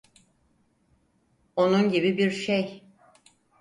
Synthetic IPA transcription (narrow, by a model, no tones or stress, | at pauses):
o̞nunɟibibiɾʃej